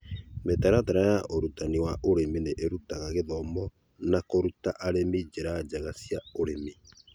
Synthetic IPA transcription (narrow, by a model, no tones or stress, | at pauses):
metaɾataɾajaʔoɾutaniwaʔoɾemineʔeɾutaɣaɣeðɔmɔ | nakoɾutaʔaɾemid͡ʑeɾad͡ʒaɣasjaoɾemi